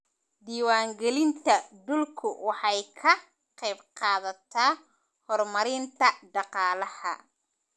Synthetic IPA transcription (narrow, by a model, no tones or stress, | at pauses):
d̪iːwaːŋɡɛlɪnt̪ʰɐɖ̪ʊlkʰʊwɑħɑjkʰɐ | qɛjbqɑːðɐt̪ʰaː | hɔrmɐɾɪnt̪ʰɐɖɑqɑːlɐhɐ̰